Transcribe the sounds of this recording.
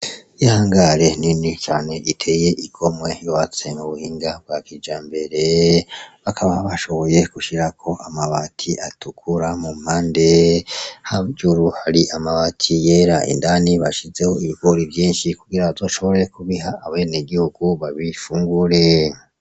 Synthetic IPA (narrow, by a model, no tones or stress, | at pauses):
ihaːŋɡaɾe̞ninit͡ʃaːne̞ʔitʰe̞ːje̞ʔikʰo̞mwe̞jowat͡se̞muβuhiːŋɡab̚ɡakid͡ʒaːmbe̞ɾe̞ | βakʰaβaβaʃo̞βo̞je̞kuʃiɾakʰo̞ʔamaβatʰiʔatukʰuɾamum̥haːnde | haɟuɾuhaɾiʔamaβatʰijeːɾaʔḭndaniβaʃize̞ho̞iβiɡoɾivjiːnʃikuɡiɾazoʃo̞βoɾekuβiɦaːβe̞neɡihuɡ̥uβaβifuːŋɡuɾe̞